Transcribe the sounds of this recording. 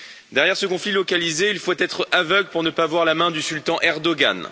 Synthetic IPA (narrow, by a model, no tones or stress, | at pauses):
d̪ɛʁjɛʁsəkɔ̃flilɔkalizeilfot̪ɛt̪χavœɡləpuʁnəpavwaʁlamɛ̃d̪ysylt̪ɑ̃ʔɛʁd̪ɔɡa̰n